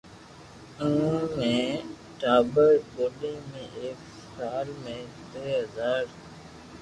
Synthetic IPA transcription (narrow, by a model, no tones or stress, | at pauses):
ũːmẽː | ʈaːbəɾɡoːlẽːmẽːʔeːk | saːlmẽːt̪eːɦəzaːɾ